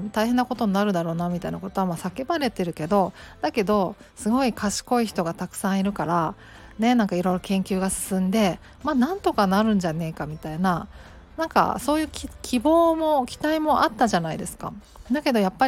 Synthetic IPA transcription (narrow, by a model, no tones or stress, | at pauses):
t̪aihe̞nːako̞t̪o̞ɲinaɾɯ̟d̪aɾo̞ːnamʲit̪ainakot̪o̞amaːsake̞baɾe̞t̪e̞ɾɯ̟ke̞d̪o̞d̪̥ake̞d̪o̞ | sɨɡo̞ikʰaɕi̥ko̞içi̥t̪o̞ɡat̪akɯ̟̥sãɰ̃iɾɯ̟kaɾa | ne̞nãŋkaiɾo̞iɾokẽ̞ŋkʲɨːɡasɨ̥sɨ̃nd̪e̞ | maːnãnt̪o̞kanaɾɯ̟̃ɲ̟d͡ʑane̞ːkamʲit̪aina | nãŋka̰so̞ːjɯ̟ːkʲikʲʰibo̞ːmo̞kʲi̥t̪aimo̞ʔat̪ːaʑanaid̪e̞sɨ̥ka̰ | d̪ake̞d̪o̞japːa